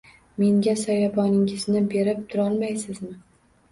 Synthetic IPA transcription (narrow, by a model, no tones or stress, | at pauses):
me̞ŋɡʲasajabɒnɪŋɪznɪbe̞ɾɪp̚t̪ʰʊɾɒlˠmajsɪzmɪ